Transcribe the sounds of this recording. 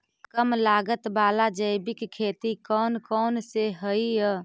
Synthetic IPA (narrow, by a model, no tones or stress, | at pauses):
kəmlaːɡət̪baːlad͡ʒəɪbɪkkʰːeːt̪ikɔːnkɔːnseɦəiə